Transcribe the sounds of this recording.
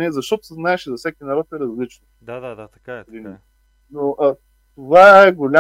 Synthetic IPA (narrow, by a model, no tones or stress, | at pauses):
nɛzɐʃt̪ɔt̪ʊ̥sɛznaɛʃizɐfsʲɛkʲinɐɾɔt̪ɛɾɐzlit͡ʃnod̪ad̪ad̪at̪ɐkaɛɾinɛ | noʔə | t̪ovaɛɡolʲa